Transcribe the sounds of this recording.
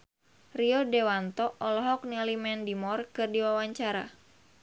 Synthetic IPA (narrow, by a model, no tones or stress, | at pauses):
riɔdewant̪ɔʔɔlɔɦɔk̚nilimɛndimɔrkɨrdiwawaɲt͡ʃaɾa̰